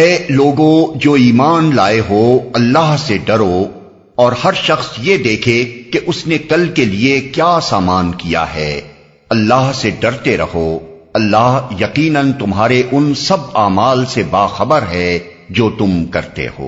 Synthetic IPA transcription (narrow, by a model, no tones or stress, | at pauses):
ɛːloːɡõd͡ʒoːiːmaːnlaːeɦoːɐlːaːɦseɖɐɾo | ɔːɾhɐɾʃɐxsjed̪eːkʰekeʔʊsnekɐlkeliekjaːsaːmaːnkija̰ɦɛː | ɐlːaːɦseɖɐɾt̪eɾɐho | ɐlːaːɦjɐqiːnənt̪ʊmɦaːɾeʔʊnsɐb̚aːmaːlsebaːxɐbəɾɦɛ | d͡ʒoːt̪ʊmkɐɾt̪ḛɦo̰ː